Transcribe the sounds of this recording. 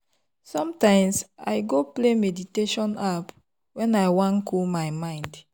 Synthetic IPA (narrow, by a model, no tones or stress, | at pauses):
sɔ̃mtãɪ̃msaɪɡoplemediteʃɔ̃nap | wɛ̃najwãnkʰulmajmãɪ̃nd